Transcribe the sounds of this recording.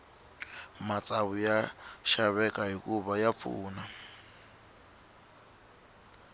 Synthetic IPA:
mat͡sʼaβujaʃaβɛkʼaɦikʼuβajap̪fṵːna

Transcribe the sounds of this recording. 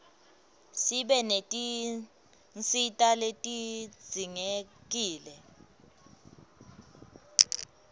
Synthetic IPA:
siɓɛnetʼi | nt͡sʼitʼaletʼi̥d͡z̥ʱiŋek̬ʼiːlɛ

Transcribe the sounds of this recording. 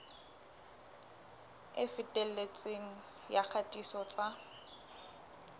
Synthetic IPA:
ɪfɪtʼɛlet͡sʼeŋ̩ | jak͡xʰatʼisɔt͡sʼa

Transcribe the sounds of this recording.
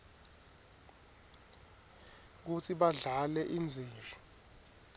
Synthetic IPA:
k̬ut͡sʰiɓaɮalɛʔind͡zʱiːrɔ

